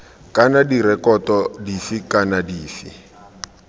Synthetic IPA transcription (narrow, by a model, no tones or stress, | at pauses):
kʼanadiɾɛkɔtɔdifikanadiːfi